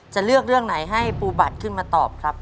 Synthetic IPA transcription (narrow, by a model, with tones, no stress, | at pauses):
t͡ɕa˨˩lɯ˥˩ək̚ɾɯ˥˩əŋna˩˦jɦa˥˩jpuː˧ba˨˩t̪̚kʰɯ˥˩nmaː˧t̪ɔː˨˩p̚kʰɾa˦˥p̚